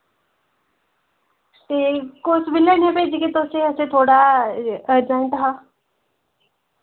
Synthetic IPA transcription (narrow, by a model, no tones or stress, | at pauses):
t̪eːkʊsbɪleːnẽːpeːd͡ʒikit̪ʊseəsẽːt̪ʰoːɽaːəd͡ʒãːĩnt̪aɦaː